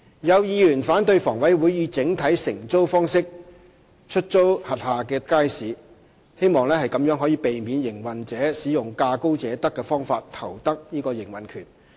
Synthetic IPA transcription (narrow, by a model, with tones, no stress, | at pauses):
jɐ˨˧wjiː˨˧jyː˨˩nfaː˨˥nt̪ɵ˧ɥfɔː˨˩ŋwɐ˨˥jwuː˨˥jːiː˨˧t͡sɪ˨˥ŋt̪ʰɐ˨˥jsɪ˨˩ŋt͡so˥wfɔː˥ŋsɪ˥k̚ | t͡ʃʰɵ˥t̚t͡so˥whɐ˨t̚haː˨˩kɛː˧kaː˥jsiː˨˧ | he˥jmɔː˨ŋlɛː˥hɐ˨jkɐ˨˥mjœː˨˥ŋɦɔ˨˥jiː˨˧pe˨jmiː˨˧njɪ˨˩ŋwɐ˨˩nt͡sɛː˨˥siː˨˥jʊ˨˩ŋkaː˧ko˥wt͡sɛː˨˥t̪ɐ˥kːɛː˧fɔː˥ŋfaː˧tt̪ʰɐ̰˨˩wt̪ɐ˥k̚niː˥kɔː˧jɪ˨˩ŋwɐ˨nkʰyː˨˩n